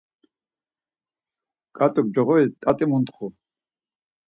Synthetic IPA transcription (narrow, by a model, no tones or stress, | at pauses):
kʼat̪ʼɔk̚d͡ʒɔʁɔit̪ʼat̪ʼimunt̪ʼχu